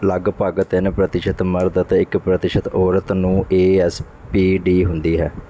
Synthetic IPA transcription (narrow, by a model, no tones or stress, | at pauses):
laɡpaːɡət̪enːpɾət̪ɪʃət̪məɾd̪ət̪eːɪkpɾət̪ɪʃət̪ɔːɾət̪nũːʔeːɛːs | piːɖiːɦʊnd̪iːɦɛː